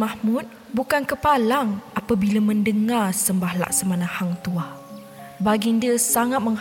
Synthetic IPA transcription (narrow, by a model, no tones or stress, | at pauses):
ahmut̪̚ | bukankəpalaŋapabilaməndəŋarsəmbahla̰ʔsəmanãhaŋt̪ua | baɡindiəsaŋat̪̚məŋh